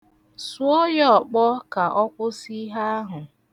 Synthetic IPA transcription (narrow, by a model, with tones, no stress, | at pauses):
su˦ɔ˦jɔ˦˨k͡pɔ˦ka˨ʔɔ˦kʷʊ˦si˦ɦa˦a˦ɦʊ˨